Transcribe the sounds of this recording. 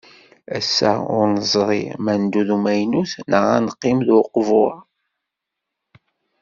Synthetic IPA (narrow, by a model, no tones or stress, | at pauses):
æsːæ̰ʊ̰ɾnəzˤɾˤḭmænd̪uðumæjnuθnəʁanqːɪmðʊqvʊ